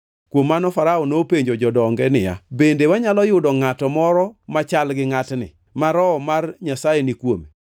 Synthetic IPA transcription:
kwomːanɔfaɾaɔnopeɲd͡ʒod͡ʒɔdɔŋɡɛnɪja̰bendewaɲalɔjʊdɔŋatɔmɔɾɔmat͡ʃalɡɪŋatnɪ̰ | maɾɔmarɲasajenikwome

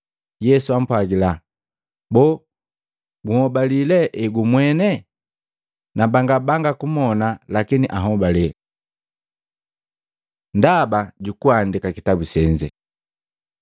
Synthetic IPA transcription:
jɛsuam̩pwaɡila | bɔ | ɡuhɔbalilɛʔɛɡumwɛnɛ | nabaŋɡabaŋɡakumɔnalakiniʔaɦɔbalɛ | ndabaɟukuandikakitabusɛɲd͡ʒɛ

